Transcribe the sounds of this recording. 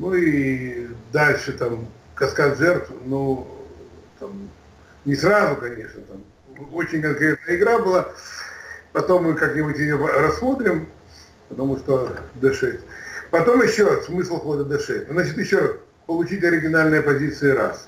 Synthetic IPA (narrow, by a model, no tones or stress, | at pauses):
nui | d̪alʲʂɨt̪am | kɐskat̪ʐɛrt̪vnu | t̪am | nʲɪsrazʊkɐnʲe̞ʂnət̪am | o̞t͡ɕɪnʲkɐnkɾʲet̪nəəɪɡɾabɨlˠa | pɐt̪o̞mːɨkaknʲɪbʊtʲɪjopɾɐsːmo̞t̪ɾʲɪm | pət̪ɐmuʂt̪od̪ɨʂɛtʲpɐt̪o̞mjɪɕːossmɨslˠxo̞d̪əd̪ɐʂɛtʲnznat͡ɕɪt̪jɪɕːo̞ras | pəlˠʊt͡ɕitʲɐɾʲɪɡʲɪnalʲnɨjəpɐzʲit̪sɨɪɾa̰s